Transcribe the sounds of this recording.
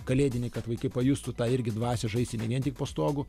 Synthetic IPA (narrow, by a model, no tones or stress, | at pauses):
kɐlʲeːd̪ʲɪnʲɛɪkɐt̪ʋɐɪkɐɪpɐjust̪ʊt̪ɑːɪɾʲɡʲɪd̪ʋɑːsʲɛʒɐɪsʲt̪ʲɪnʲɛʋʲiɛnt̪ʲɪk̚poːst̪oːɡʊ